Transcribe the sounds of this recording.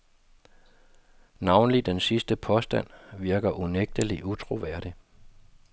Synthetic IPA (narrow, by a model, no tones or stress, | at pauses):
nɑ̈ʊnəlid̥ensisd̥əpʰɒ̽sd̥æn̰ʋiɐɡ̥ɐʔuneɡ̥̚d̥əliʔut͡sʰʁo̝ʋæɐ̰ɾ̥i